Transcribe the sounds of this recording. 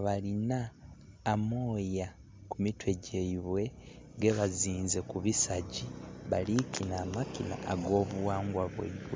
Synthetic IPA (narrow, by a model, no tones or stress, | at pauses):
βalinaː | moːja | kumitwe̞ɟeiβwe̞ | ɡe̞βaziːnze̞kuβisaɟiβalikinaːmakina̰aɡo̞ːβuwaːŋɡwaβwḛβwe